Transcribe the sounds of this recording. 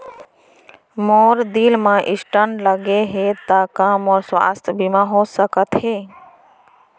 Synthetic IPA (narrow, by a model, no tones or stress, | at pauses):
moːɾd̪iːlmãʔɪsʈəɳɖləɡeɦeːt̪aːkaːmɔːɾswa̰ːst̪ʰbimãɦoːsəkət̪ɦeː